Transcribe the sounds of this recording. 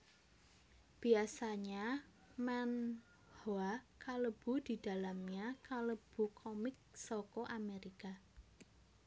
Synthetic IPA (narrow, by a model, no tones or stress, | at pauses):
b̥i̤asaɲa | mɛn | hoakaləb̥ṳd̪̥i̤d̪̥a̤lamɲakaləb̥ṳkʰɔmɪk̚sɔkɔʔameɾika